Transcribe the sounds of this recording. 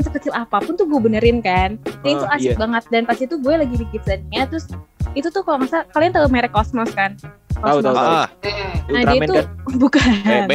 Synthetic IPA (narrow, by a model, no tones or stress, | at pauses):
nsəkət͡ʃɪlapapʊnt̪ʊhɡuɛbənəɾɪnkandait̪uasɪk̚baŋət̪̚danpast̪it̪uɡuɛlaɡidiɡit̪sanɲat̪ɾʊsit̪ut̪ʊhkalamasakaliant̪aumɛɾɛkɔsmɔskankɔmɔ | naiiubukan